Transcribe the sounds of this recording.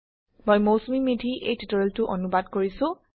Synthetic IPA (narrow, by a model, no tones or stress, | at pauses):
mojmowsmimidʱiʔejtitɔɹɛltʊʔɔnubadkoɹisʊ̃